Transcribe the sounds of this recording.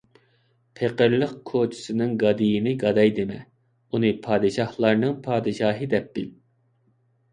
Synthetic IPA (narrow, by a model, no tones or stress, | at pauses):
pʰeqəɾlˠəq̚kʰot͡ʃʰi̥sɨnɨŋɡɑd̪ijinɪɡɑd̪ɑjd̪ɪmɛ | unɨpʰɑːd̪ɨʃɑhlˠɑɾnɨŋpʰɑːd̪ɨʃɑːɦɨd̪ɛp̚b̥ɪl